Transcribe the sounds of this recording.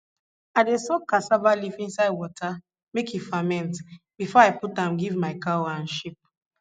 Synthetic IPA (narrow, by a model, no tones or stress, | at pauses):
aɪdesɔkːasavalifĩnsaɪdwɔtʰa | mekifamɛ̃nt | b̥ifɔaɪputãmɡivmaɪkaoãnʃip̚